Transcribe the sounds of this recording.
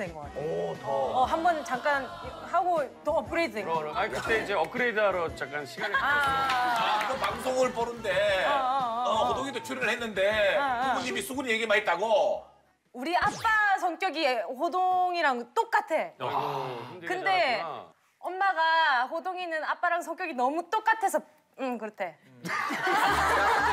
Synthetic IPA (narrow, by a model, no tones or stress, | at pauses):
enɡʌetʌɦambʌnt͡ɕaŋk͈an | haɡotʌʌp̚kʰɯɾedɯneŋkɯt͈eid͡ʑeʌp̚kʰɯɾedaɾot͡ɕak͈anɕʰiɡ | aɡʌpaŋsʰoŋɯɭpʌɾɯnde̞ | ʌodoŋidot͡ɕʰuɾiɾɯɭhenːɯnde̞uɡuɲːimis͈ʰuɡunijeɡimait̚t͈aɡo | uɾiap͈asʰʌŋk͈jʌɡiɸodoŋiɾaŋt͈ok͈atʰe̞ | kɯnde̞ | ʌnmaɡaɸodoŋinɯnap͈aɾaŋsʰʌŋkjʌɡinʌmut͈ok͈atʰesʰʌ | ɯkɯɾʌtʰe̞